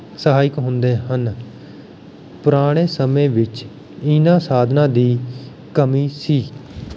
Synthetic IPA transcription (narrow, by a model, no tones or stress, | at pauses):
səɦaːɪkɦʊnd̪eːɦən | pəɾaːɽ̃eːsəmẽːʋɪt͡ʃ | ɪnãːsaːd̪ʱnãːd̪iː | kəmiːsiː